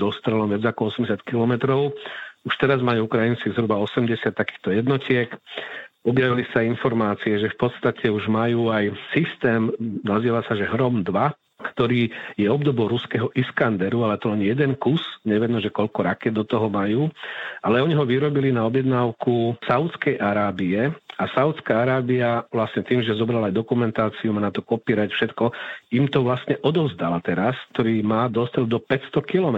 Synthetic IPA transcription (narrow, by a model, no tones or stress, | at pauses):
d̪ɔst̪ɾɛlɔmʋad͡zakɔɔsɛmɟɛs̬jat̪kilɔmɛt̪ɾɔʊuʃt̪ɛɾazmajuːukɾajint͡sizɦɾubaɔsɛmɟɛsɪat̪ːakiːxt̪ɔjɛd̪nɔcɪɛk | ɔbjaʋilisainfɔɾmaːt͡siɛʒɛfpɔt̪st̪acɛuʒmajuːajsist̪ɛːmnaziːʋasaʒɛɦɾɔmd̪ʋa | kt̪ɔɾiːjɛɔb̚d̪ɔbɔʊɾuskɛɦɔʔiskand̪ɛɾualɛt̪ɔlɛnjɛd̪ɛnkusɲɛʋijɛd̪nɔʒɛkɔʎkɔɾakɛd̪̚d̪ɔt̪ɔɦɔmajuːʔalɛɔɲiɦɔʋiɾɔbilinaɔbjɛd̪naːʊkusaʊt̪t͡skɛjʔaɾaːbiɛasaʊt̪t͡skaːaɾaːbiaʋlasɲɛt̪iːmʒɛzɔbɾalaːjd̪ɔkumɛnt̪aːt͡siumaːnat̪ɔkɔpiːɾacfʃɛt̪kɔimt̪ɔʋlasɲɛʔɔd̪ɔʊzd̪alat̪ɛɾask̚t̪ɔɾiːmaːd̪ɔst̪ɾɛd̪ɔpɛcst̪ɔkilɔmɛ